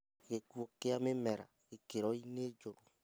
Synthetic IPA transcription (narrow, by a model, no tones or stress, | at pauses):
ɣekuokeamemɛɾa̰ɣekeɾɔined͡ʒoɾo